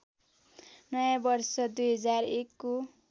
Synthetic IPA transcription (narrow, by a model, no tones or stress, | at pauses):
nʌjãbʌrsʌd̪ujɦʌd͡zarekːo